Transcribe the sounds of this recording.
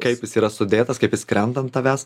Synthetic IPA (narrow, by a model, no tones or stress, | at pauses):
kɐɪpjɪsiːɾɐsʊd̪ʲeːt̪ɐskɐɪpjɪskɾʲɛnd̪ɐnt̪ɐʋʲæs